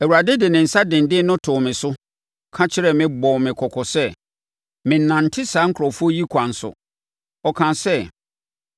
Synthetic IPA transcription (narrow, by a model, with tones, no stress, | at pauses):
ɛ˨wu˨ɾa˨dɪ˦dɪ˨nɪ̃˨n̩˨sa˦dɪ̃˨ndɪ˦nʊ̃˦tʰʊː˨mɪ̃˨sʊ˦ | kʰã˦t͡ɕʰɪ˦ɾɛ˨mɪ̃˦bɔ̃˨mɪ̃˨kʰɔ˨kʰɔ˨sɛ˦ | mɪ̃˨n̩ː˨ã˨n̩˨tʰɪ˦saː˨˦ŋ̩˦kʰɾɔ˨fu˦ɔ˦ji˦kʷʰã˨n̩˨sʊ̰˨ | ɔ˨kʰã˨sɛ˦